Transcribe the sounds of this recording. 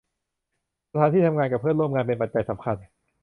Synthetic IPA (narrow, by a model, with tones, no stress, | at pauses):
sa˧t̪ʰaː˨˦t̪ʰiː˥˩t̪ʰmŋaː˧nka˨˩pʰɤː˥˩nlu˥˩˨mŋaː˧npe˧npa˨t̪̚t͡ɕa˧jsa˩˦mkʰa˧n